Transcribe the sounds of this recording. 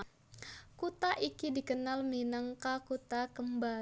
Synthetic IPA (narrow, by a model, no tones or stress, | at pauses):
kut̪aʔikidikənalminaŋkakut̪akəmba